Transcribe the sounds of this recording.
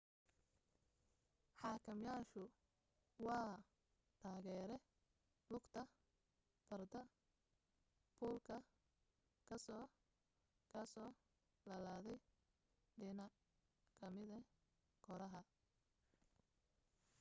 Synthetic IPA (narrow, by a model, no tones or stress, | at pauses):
ħɑːkʰɐmjaːʃʊ | wɑː | t̪ʰaːɣɛːɾɛ | lʊɡt̪ʰɐ | b̥ɐrd̪ɐ | pʰuːlkʰɐ | kʰɐsɔː | kʰɐsɔː | lɐlaːðɛj | ɖɪnɐʔ | kʰɐmɪðɐ | kʰɔɾɐɦɐ